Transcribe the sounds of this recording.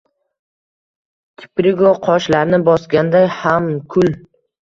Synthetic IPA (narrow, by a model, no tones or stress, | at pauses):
t̪ʲʰɪ̥pɾɪɡoqʰɒʃlaɾnɪbɒsɡʲand̪ajhamkʰʊl